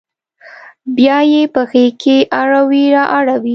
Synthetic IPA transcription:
bjɑjepəxekʰeʔaɽawiɾɑʔaɽawi

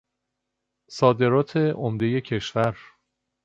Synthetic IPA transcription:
sɒːd̪e̞ɾɒːt̪ʰe̞ʔomd̪e̞je̞cʰe̞ʃvæɾ

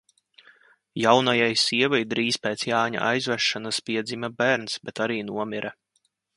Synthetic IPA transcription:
jawnajajsiɛvajd̪ɾiːspeːt̪sjaːɲa̰ʔajzvæʃːanaspiɛd̪zʲimʲabæɾnsbɛt̪aɾiːnuɔmʲiɾʔa

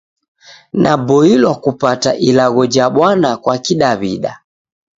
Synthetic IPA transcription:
nʔabɔilwakupataʔilaɣɔd͡ʒaɓwanakwakiɗaβiɗa̰

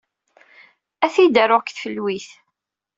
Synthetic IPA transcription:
æθid̪əɾoʁkθfəlːwiθ

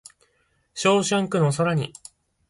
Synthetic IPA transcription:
ɕo̞ːɕãŋkɯ̟nosoɾaɲ̟ḭ

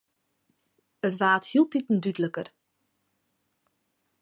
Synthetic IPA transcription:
ətʋaːthilˠt̚itn̩dydələkər

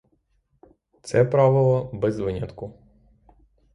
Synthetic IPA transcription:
t̪sɛpɾɑʋɪlˠɔbɛzʋɪnʲɐt̪kʊ

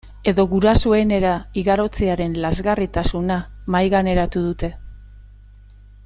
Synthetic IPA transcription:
e̞ðo̞ɣuɾasue̞ne̞ɾaiɣaɾo̞t͡seaɾe̞nlazɣarit̪asunamajɣane̞ɾat̪uðut̪e̞

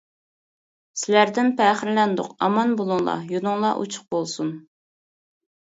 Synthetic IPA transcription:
sɪlæɾd̪ɪnpʰæːχɪɾlɛnd̪ʊqɑmɑnbolˠʊŋlˠɑ̰junʊŋlˠɑʔṵt͡ʃʰʊ̥q̚bolˠsun

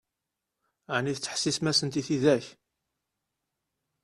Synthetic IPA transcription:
ʕniθt͡sːə̥ħsismæsənt̪iθiðæç

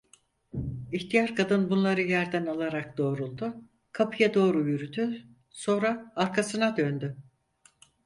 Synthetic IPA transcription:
içt̪ʰijaɾkʰad̪ɯnbunlˠaɾɯjæɾd̪ænalˠaɾak̚d̪o̞ːɾulˠd̪ʊ | kʰapʰɯjad̪o̞ːɾujyɾyd̪y | so̞nɾaːɾkʰasɯnad̪ønd̪y

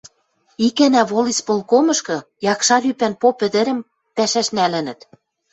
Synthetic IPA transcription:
ikænæβolispolkomɤ̆ʃkɤ̆ | jɑkʃɑlypænpopɘ̆d̪ɘ̆ɾɘ̆m | pæʃæʃnælɘ̆nɘ̆t̪

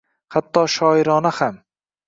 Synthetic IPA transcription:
hat̪ʰːɒːʃɒːɪɾɒːnaham

